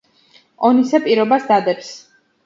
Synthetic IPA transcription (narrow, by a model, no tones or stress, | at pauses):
ɔnisapʼiɾɔbasd̪ad̪ɛps